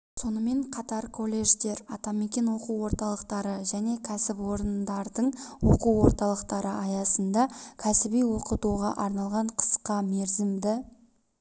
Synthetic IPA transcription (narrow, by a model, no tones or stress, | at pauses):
so̞nəme̞ɴqʰɑt̪ɑɾkʰo̞lʲːe̞ʒt̪e̞ɾɑt̪ɑmekʲe̞nwo̞quwwo̞ɾt̪ɑlˠəqt̪ɑɾəʒæne̞kʲʰæsɪpwo̞ɾənd̪ɑɾd̪əɴwo̞̰quwwo̞ɾt̪ɑlˠəqt̪ɑɾəʔɑjɑsənd̪ɑkʲʰæsɪbijwo̞qət̪uʁɑʔɑɾnɑlˠʁɑɴqʰə̥sqɑme̞ɾzɪmd̪ɪ